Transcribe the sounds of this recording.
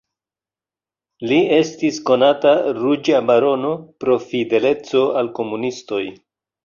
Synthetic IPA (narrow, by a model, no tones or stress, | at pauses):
lie̞stisko̞nataɾud͡ʒabaɾo̞no̞pɾo̞fide̞le̞t͡so̞alko̞munisto̞j